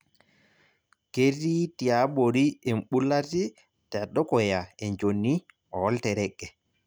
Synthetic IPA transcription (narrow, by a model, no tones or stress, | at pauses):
keɾːitiaɓoɾiɛmɓulːati | taɗːɔkɔjaɛnd͡ʒonːi | ʔɔɔltɛɾɛkːɛ